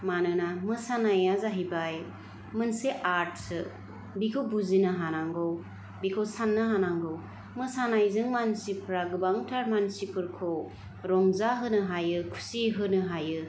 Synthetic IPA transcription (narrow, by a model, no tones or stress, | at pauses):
manɯnamɯsanajazaɦijbaj | mɯnseʔaɾt̚sɯ | bikʰɯwbuzinɯɦanaŋɡɯw | bikʰɯsanːɯɦanaŋɡɯw | mɯsanajzɯŋmansipʰɾaɡɯbaŋtʰaɾmansipʰɯɾkʰow | ɾɔŋzaɦɯnɯɦajɯkʰu̥siɦɯnɯɦajɯ